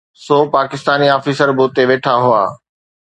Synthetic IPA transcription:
soːpaːkɪst̪aːniaːfisəɾboːt̪eʋeːʈʰaɦʊa̰ː

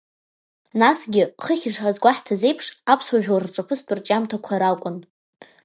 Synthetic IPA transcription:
nasɡʲɪχəχʲɪʂħazɡʷaħtʰaze̞jpʰʂapʰswaʒᶣlrʈ͡ʂʷʼapʰɨstʰʼɨrt͡ʃʼamtʰakʷʰaɾakʷʼʊn

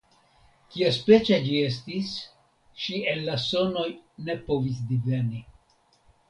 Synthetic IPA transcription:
kiaspe̞t͡ʃad͡ʒie̞s̬tis | ʃienːasono̞jne̞po̞vis̬d̪ive̞ni

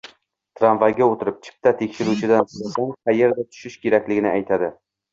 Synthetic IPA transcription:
t̪ʰɾanvaɡʲaot̪ʰɪɾɪp̚t͡ʃʰɪ̥p̚t̪ʰat̪ʰe̞kʲʃɪɾut͡ʃʰɪd̪ansʊlasaŋχɑjeɾd̪at̪ʰʊ̥ʃɪʃkʲʰe̞ɾakʲlɪɡʲɪnɪʔajt̪ʰad̪ɪ

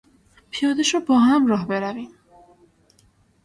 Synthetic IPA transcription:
pʰijɒːd̪eʃɔbɒːɦæmɾɒːɦbe̞ɾæviːm

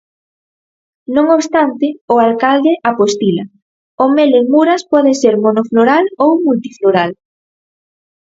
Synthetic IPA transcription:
nõŋoβst̪ant̪ɪʊalkald̪ɪʔapost̪ilɐ | omelemuɾaspɔðeseɾmonofloɾalowmult̪ifloɾal

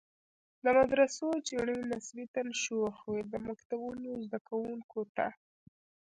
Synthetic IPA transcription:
d̪əmad̪ɾasot͡ʃiɳənasbit̪anʃoxwed̪əmakt̪abunozd̪akawuŋkoʈa̰

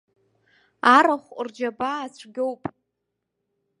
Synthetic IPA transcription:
aɾaχʷrd͡ʒabaːt͡ɕʷʰɡʲowpʼ

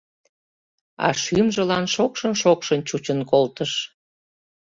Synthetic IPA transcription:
ɑ̰ʃymʒəlɑnʃokʃənʃokʃənt͡ɕut͡ɕənkolt̪əʃ

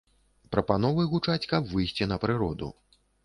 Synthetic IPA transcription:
pɾɐpan̪ɔvɨjɣut͡ʂat͡sʲkɐbvɨjsʲt͡sʲinɐpɾɨɾɔd̪ṵ

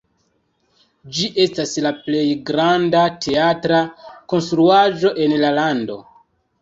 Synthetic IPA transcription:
d͡ʒiʔe̞staslaple̞jɡɾandatʰe̞atɾako̞nstɾuaʒo̞ʔe̞nlalando̞̰

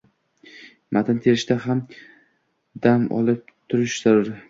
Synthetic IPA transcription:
mat̪ʰɪnt̪ʰe̞ɾɪʃt̪aɦam | d̪amɒ̰lˠɪp̚t̪ʰʊɾɪʃz̥aɾʊɾɪ

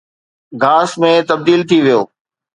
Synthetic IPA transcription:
ɡʱaːsmẽt̪ɐb̚d̪iːlt̪ʰiʋijoː

